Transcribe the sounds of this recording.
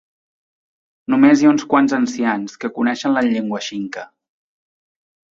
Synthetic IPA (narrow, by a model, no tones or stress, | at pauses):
numezjaunskwanzənsianskəkunɛʃənləʎeŋɡwəʃiŋkə